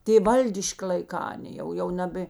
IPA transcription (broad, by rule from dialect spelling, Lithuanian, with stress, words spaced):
ˈtʲeː ˈʋɐlʲdʲɪʃʲkʲɪ lˠɐɪˈkɑː ɐˈnʲeː jɛʊ jɛʊ ˈnɑːbʲeː